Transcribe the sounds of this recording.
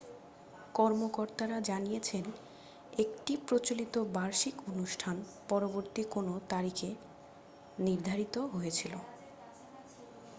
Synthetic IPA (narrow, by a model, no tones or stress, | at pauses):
kɔɾmokoɾt̪aɾad͡ʑanijet͡ɕʰen | ekʈipɾot͡ɕolit̪obaɾʃikonuʃʈʰanpɔɾoboɾt̪ikonot̪aɾike | niɾd̪ʱaɾit̪oɦojet͡ɕʰilo